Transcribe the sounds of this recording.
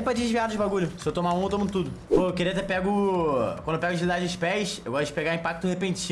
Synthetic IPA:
jpɾɐd͡ʒɪʒviad̪ʊd͡ʒɪbaɡuʎʊsɪewt̪omaũewt̪omɐ̃nd̪ʊt̪ud̪ʊfoewkeɾiɐt̪ɛpɛɡʊkwɐ̃d̪ewpɛɡʊt͡ʃilid̪ad͡ʒɪʊʃpɛjsewɡɔst̪ʊd͡ʒɪ̥peɡãĩpak̚t̪ʊhepẽt͡ʃĩ

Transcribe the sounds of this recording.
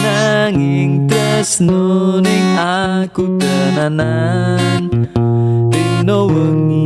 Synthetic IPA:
naŋɪŋd̪əsnuniakud̪̥ananaŋ | inowəŋ

